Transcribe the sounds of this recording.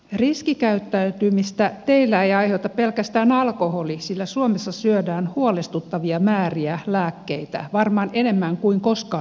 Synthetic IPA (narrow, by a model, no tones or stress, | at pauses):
riskikæyt̪ːæyt̪ymist̪æt̪eilːæejɑihot̪ɑppelkæst̪æːnɑlkoholisilːæsuomesːɑsyødæːnhuolest̪ut̪ːɑʋiɑmæːriælæːkːeit̪æ̰ʋɑrmɑːnenemːæŋkuiŋkoskɑː